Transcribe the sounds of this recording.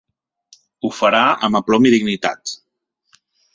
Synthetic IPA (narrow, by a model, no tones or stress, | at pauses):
ufəɾaə̰məplɔmiðiɡnit̪a̰t̪